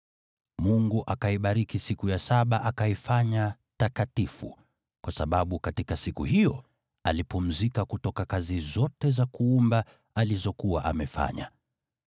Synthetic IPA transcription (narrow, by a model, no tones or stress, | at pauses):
muŋɡuʔakaiɓaɾikisikujasaɓaʔakaifaɲa | takatifṵ | kwasaɓaɓukatikasikuhijɔ | alipum̩zikakutɔkakazizɔtɛzakuumba | alizɔkuwa̰ʔa̰mɛfa̰ɲa̰